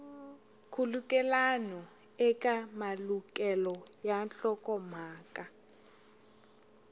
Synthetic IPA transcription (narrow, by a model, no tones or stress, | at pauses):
kʰulukʼɛlanɔ | ɛkʼamalukʼɛlɔjanɬɔkʼɔm̤aːkʼa